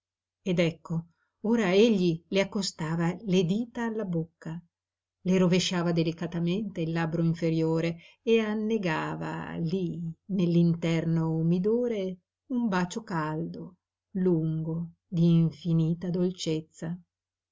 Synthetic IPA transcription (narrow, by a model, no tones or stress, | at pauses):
ed̪ɛkːo | oːɾaeʎːileakːost̪aːvaled̪iːt̪aːlːabokːa | leɾoveʃːaːvad̪elikat̪ament̪eilːabɾoiɱfeɾjoːɾeː | anːeɡaːva̰linelːint̪ɛrnomid̪oːɾe | umbaːt͡ʃokald̪o | luŋɡo | d̪iːɱfiniːt̪ad̪olt͡ʃet̪sːa